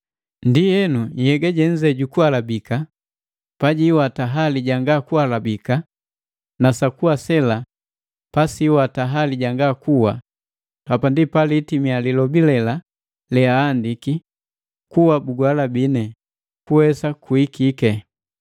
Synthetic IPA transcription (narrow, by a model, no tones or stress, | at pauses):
ndijɛnujɛɡaɟɛɲ̩d͡ʒɛɟukualabika | paɟiwataɦaliɟaŋɡakualabika | nasakuwasɛla | pasiwataɦaliɟaŋɡakuwa | hapandipalitimialilɔbilɛla | lɛaːndiki | kuwabuɡwalabinɛ | kuwɛsakuikikɛ